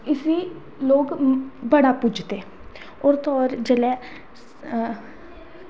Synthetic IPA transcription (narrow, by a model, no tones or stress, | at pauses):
ɪsiː | loːɡbəɽaːpʊd͡ʒt̪eː | ɔːɾt̪ɔːɾd͡ʒeːlɛː